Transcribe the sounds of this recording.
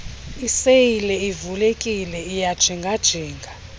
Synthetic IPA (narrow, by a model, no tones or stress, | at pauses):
isejilɛivulekʼilɛijad̥ʒ̥ʱiŋɡʱad̥ʒ̥ʱiːŋɡʱa